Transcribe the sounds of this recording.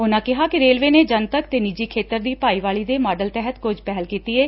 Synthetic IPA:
ʊnãːkɪɦaːkɪɾeːlʋeːneːd͡ʒənt̪əkt̪eːnid͡ʒiːkʰeːt̪əɾd̪iːpaːiːʋaːliːd̪eːmaːɖəlt̪ɛɦət̪kʊd͡ʒpɛːlkiːt̪iːeː

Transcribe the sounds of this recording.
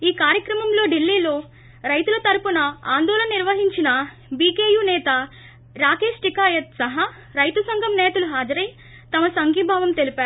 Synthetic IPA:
iːkaːɾjɐkɾɐmɐmlo̞ːɖilːiːlo̞ː | ɾɐjt̪ulɐt̪ɐɾupunɐaːnd̪ɔːlɐnɐniɾʋɐɦiɲt͡ʃinɐ | biːkeːjuːnɛːt̪ɐ | ɾaːke̞ːʂʈikaːjɐt̪sɐɦɐ | ɾɐjt̪usɐŋɡʱɐmnɛːt̪uluɦaːd͡ʒɐɾɐj | t̪ɐmɐsɐŋɡʱiːbʱaːʋɐmt̪e̞lipaːɾu

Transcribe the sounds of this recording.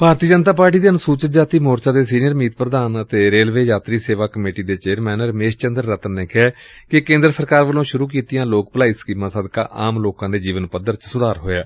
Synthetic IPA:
paːɾt̪iːd͡ʒənt̪aːpaːɾʈiːd̪eːənʊsuːt͡ʃət̪d͡ʒaːt̪iːmoːɾt͡ʃaːd̪eːsiːnijəɾmiːt̪pɾəd̪aːnət̪eːɾeːlʋeːjaːt̪ɾiːseːʋaːkəmeːʈiːd̪eːt͡ʃeːɾmɛːnəɾmeːʃt͡ʃənd̪əɾːət̪ənːeːkɛː | kɪkẽːnd̪ɾəsəɾkaːɾʋəlõːʃʊɾuːk̬iːt̪ijãːloːk̚pəlaːiːsə̥kiːmãːsəd̪ka̰ːʔaːmloːkãːd̪eːd͡ʒiːʋənpəd̪əɾt͡ʃsʊd̪aːɾɦo̰ːjaː

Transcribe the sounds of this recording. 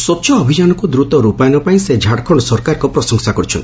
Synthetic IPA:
sɔt͡ʃʰɔːbʱid͡ʒanɔkud̪ɾut̪ɔɾupajnɔpaĩsed͡ʒʱaɽkʰɔɽɔsɔɾkaɾɔkɔpɾɔsɔŋsakɔɾit͡ʃʰɔ̰nt̪

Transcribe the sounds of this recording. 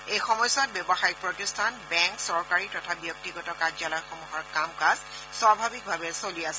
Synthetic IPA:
ejxɔmɔjsɔt̚bɛbɔxajɔk̚pɹotistʰanbɛŋksɔɹkaɹitɔtʰabjɔk̚tiɡɔtɔkad͡ʒalɔjxɔmuɦɔɹkamkaz | swabʱabik̚bʱabɛsoliasɛ

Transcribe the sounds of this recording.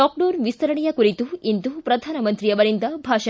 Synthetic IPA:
ɔːk̚ɖoːnʋist̪ʰɐɾɐɳɛjɐkuɾit̪uind̪upɾɐd̪ʱaːnɐmɐnt̪ɾijɐʋɐɾind̪ɐbʱaːʃɐ

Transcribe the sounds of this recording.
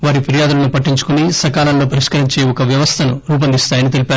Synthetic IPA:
ʋaːɾipʰiɾijaːd̪ulɐnupɐʈːiɲt͡ʃu̥kunisɐkaːlɐnloːpɐɾiʂkɐɾiɲt͡ʃe̞ːɔkɐʋjɐʋɐst̪ʰɐnuɾuːp̬ɐnd̪ist̪aːjɐnit̪̬elipaːɾ

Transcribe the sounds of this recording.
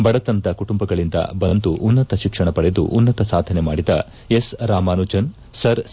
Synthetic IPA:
bɐɽɐt̪ɐnt̪ɐkuʈumbɐɡɐɭind̪ɐ̰bɐnt̪uʔːnːɐt̪ɐʃikʂɐɳɐpɐɽed̪ṵʔːnːɐt̪ɐsaːd̪ʱɐne̞maːɽid̪ɐ | esɾaːmaːnud͡ʒɐn | sɐɾ

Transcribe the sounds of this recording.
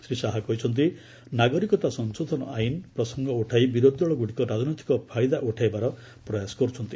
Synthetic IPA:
sɾisaɦaɡɔɦit͡ʃʰɔnt̪̬i | naɡɔɾikɔt̪asɔnsod̪ʱɔnɔ̰ʔajnpɾɔsɔŋɡɔuʈʰajbiɾod̪ɔɭɔɡuɽikɔɾad͡znɔjt̪i̥kɔpʰajd̪aʔuʈʰajbaɾɔ | pɾɔjasɔ̥ɡɔɾut͡ʃʰɔnt̪i̥

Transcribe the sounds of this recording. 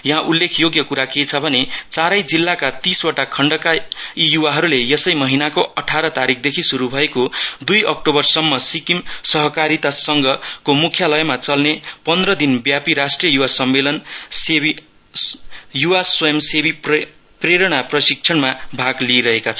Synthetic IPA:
jʌɦãʔulːekʰjoɡjʌkuɾaket͡sʰʌbʱʌnet͡saɾʌjd͡zilːakat̪iswaʈakʰʌɳɖʌkaijuwaɦʌɾulejʌsʌjmʌɦinakoʔʌʈʰaɾʌt̪aɾik̚ʰd̪ekʰisuɾubʱʌekod̪ujʌk̚ʈobʌrsʌmːʌsikimsʌɦʌkaɾit̪asʌŋɡʌkomukʰjalʌjmat͡sʌlnepʌnd̪rʌd̪inbjapiɾasʈrijʌjuwasʌmːelʌnsebi | juwasojemsebip | preɾʌɽ̃aprʌsik̚t͡sʰʌnmabʱaɡliɾʌɦekat͡sʰʌ

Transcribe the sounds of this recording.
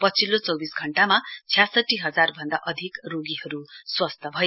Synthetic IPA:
pʌt͡sʰilːot͡sʌwbisɡʱʌɳʈamat͡sʰijasʌʈːiɦʌd͡zarbʱʌnd̪aʔʌd̪ʱikroɡiɦʌɾuswʌst̪ʰʌbʱʌe

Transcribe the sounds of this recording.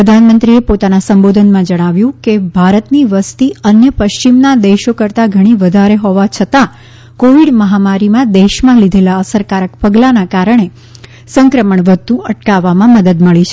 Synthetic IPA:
ɾəd̪ʱanmə̃nt̪ɾiepot̪anasəmbod̪ʱənmãd͡ʒəɽ̃aʋjũkebʱaɾət̪niʋəst̪iənjəpəʃt͡ʃimnad̪eʃokəɾt̪aɡʱəɽ̃iʋəd̪ʱaɾeɦoʋat͡ʃʰət̪a | koʋiɽməɦamaɾimãd̪eʃmãlid̪ʱelaəsəɾkaɾəkpəɡlanakaɾəɳ̃e | səŋkɾəməɳʋət̪ũʔəʈkaʋːamãməd̪əd̪məɭit͡ʃʰe̥

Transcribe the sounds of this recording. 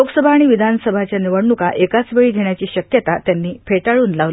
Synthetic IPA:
loɡsəbʱaːɽ̃iʋid̪ʱansəbʱat͡ɕjaniʋəɽnukaʔekat͡sʋeɭiːd̪ʱeɳjat͡ɕiːɕəkjət̪at̪janːiːpʰeʈaɭuːnlaʋ

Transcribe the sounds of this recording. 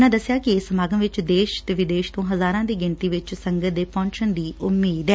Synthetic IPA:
nãːd̪əsːɪjaːkɪeːsəmaːɡəmʋɪt͡ʃd̪eːʃt̪eːʋɪd̪eːʃt̪õːɦəzaːɾãːd̪iːɡɪnt̪iːʋɪt͡ʃsəŋɡət̪̚d̪eːpɔ̃ːɳʃənd̪iːʔʊmːeːd̪ɛː

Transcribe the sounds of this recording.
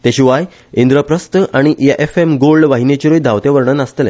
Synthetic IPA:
t̪eɕiʋaj | ind̪ɾəpɾəst̪əʔaɽ̃iʔjaʔefemɡolɖʋaɦinet͡ɕiɾojd̪ʱaʋt̪jaʋəɾɳənast̪əlɛ̰̃

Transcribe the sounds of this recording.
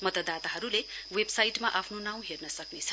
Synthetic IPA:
mʌt̪ʌd̪at̪aɦʌɾule | websajʈmaʔapʰnonaw̃ɦernʌsʌknet͡sʰʌ̥

